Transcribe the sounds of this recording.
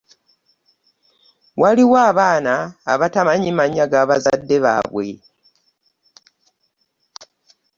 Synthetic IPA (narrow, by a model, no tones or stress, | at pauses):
waliwaːβaːna̰ːβatamaɲimaɲːaɡaβazadːe̞βa̰βwe̞̰